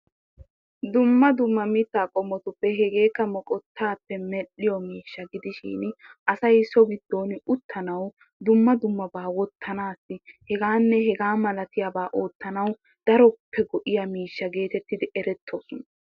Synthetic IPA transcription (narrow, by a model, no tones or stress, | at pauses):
d̪ʊmːɐd̪ʊmːɐmɪt̪ːaːkʼɔmːɔt̪ʊpːɛɦɛɡe̞ːkːɐmɔkʼɔt̪ʰːaːpːɛmɛɗːɪjɔmiːʃːɐɡɪd̪ɪʃḭːnʔɐsɐjsɔɡɪd̪ːo̞ːnɪʔʊt̪ʰːɐnɐw | d̪ʊmːɐd̪ʊmːɐbaːwɔt̪ʰːɐnaːsːɪhɛɡaːnːɛɦɛɡaːmɐlɐt̪ɪjɐbaːʔoːt̪ːɐnɐw | d̪̥ɐɾɔpʰːɛɡɔʔɪjɐmiːʃːɐɡe̞ːt̪ɛt̪ːɪd̪ɪʔɛɾɛt̪ʰːoːsʊnɐ